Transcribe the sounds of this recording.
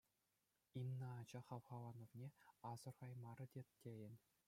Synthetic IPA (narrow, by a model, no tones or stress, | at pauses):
imnɑːd͡ʑɑχɑʋχɑʋɑnŏvnʲeɑz̥ɤ̆rʁɑjmɑrɤ̆dʲettʲːejɘ̆nʲ